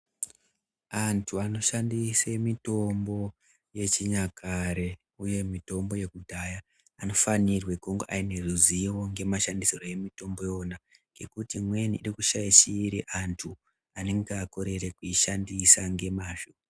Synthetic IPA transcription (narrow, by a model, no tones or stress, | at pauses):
antʰuano̞ʃandisemito̞mbo̞ | je̞t͡ʃiɲakʰaɾe̞ | uje̞mito̞mbo̞je̞kudʱajaː | no̞fanirwe̞koŋɡoʔaine̞ruziwo̞ŋɡe̞maʃandisiro̞je̞mito̞mbo̞jo̞na | ŋɡe̞kutimwe̞niʔːrikuʃaiʃiːɾiʔantʰu | ane̞ŋɡeako̞ɾe̞ɾekuiʃandisaŋɡe̞maːʒo